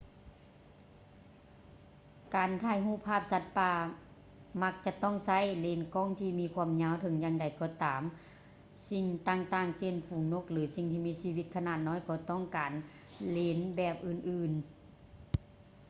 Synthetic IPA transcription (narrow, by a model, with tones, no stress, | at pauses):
kaː˨nt̪ʰaː˧˩˨jɦuː˧˥˩pʰaː˧˥˩p̚sa˧˥t̪̚paː˧ | ma˧k̚t͡ɕa˧t̪ɔː˧˥˩ŋsa˧˥˨jleː˧˩nkɔː˧˥˨ŋt̪ʰiː˧miː˧˥˨kʰu˧ə˨mɲaː˧˥˨wt̪ʰɤ˨˦ŋjaː˧˨ŋda˨˩jkɔː˧˩t̪aː˨m | si˧ŋt̪aː˧ŋt̪aː˧˩ŋse˧˥˨nfuː˨˦ŋno˧˦k̚lɯː˨˦si˧ŋt̪ʰiː˧˨miː˧˥˨siː˧˨wi˧t̪̚kʰa˧naː˧˩t̪̚nɔː˧˥˨jkɔː˧˩t̪ɔ˧˥˩ŋkaː˨n | leː˧˦nbɛː˧˩p̚ʔɯː˧˩nʔɯː˧˩n